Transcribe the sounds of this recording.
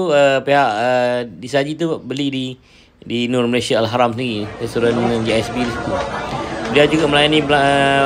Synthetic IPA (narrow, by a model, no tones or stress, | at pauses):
uəpeɦaʔədisad͡ʒit̪ubəlidi | dinɔrməlesiaːlɦaɾamsəndiɾikəsuɾandəŋãnd͡ʒiɛsbilst̪u | bliad͡ʒuɡaməlajanĩə